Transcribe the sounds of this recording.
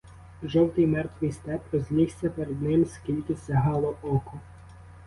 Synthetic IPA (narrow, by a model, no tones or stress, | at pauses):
ʒɔwt̪ɪjmɛrt̪ʋɨjst̪ɛpɾɔzʲnʲixsʲɐpeɾed̪nɪmskʲilʲkɪsʲɐɦɑlˠɔʔɔkɔ